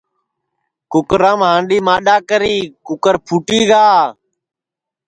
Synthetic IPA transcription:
kʊkɾãːmɦãːɳɖiːmaːɗaːkəɾiːkʊkəɾpʰuːʈiːɡaː

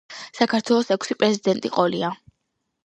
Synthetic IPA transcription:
sakʰaɾt̪ʰwɛlˠɔsɛkʰʷsipʼɾɛzid̪ɛnt̪ʼḭqʼɔlia

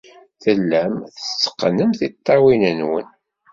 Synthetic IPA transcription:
θəlːæmθət͡sːə̥qːənəmθit̪ˤːɑwinənwə̰n

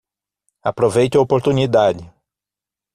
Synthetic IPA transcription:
apɾovejt̪ʊopoɾt̪unid̪ad͡ʒɪ

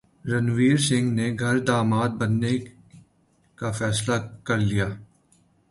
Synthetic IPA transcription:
ɾɐnʋiːɾsɪ̃ŋɡneɡʱɐɾd̪aːmaːd̪̚bɐnːe | kafɛːslakɐɾlijaː

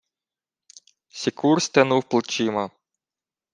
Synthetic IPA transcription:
sʲikursʲt̪enuwplˠt͡ʃimɐ

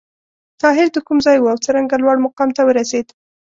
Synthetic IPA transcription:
t̪ɑɦɪɾd̪əkumzɑjwuawt͡səɾaŋɡalwaɽmaqɑmt̪awəɾased̪

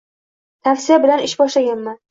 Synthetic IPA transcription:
t̪ʰafsɪjabɪlanɪʃbɒʃlaɡʲanman

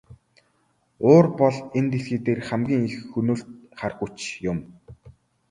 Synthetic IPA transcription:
oːrpɔɮent̪esɡiːt̪eːrχæmɡʲiːŋixɵnuːɬt̪̚χarxut͡ɕjʊm

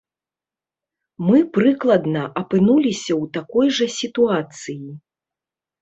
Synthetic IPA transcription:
mɨpɾɨklˠɐd̪nɐʔɐpɨnulʲisʲɐwt̪akɔjʐɐsʲit̪uat̪sɨji

